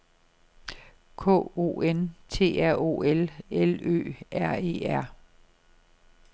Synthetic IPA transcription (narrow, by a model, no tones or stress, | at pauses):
kʰɔ̰ːo̝̰ːent͡sʰe̝̰ːæɐ̰o̝̰ːelelø̰ːæɐe̝̰ːæɐ̰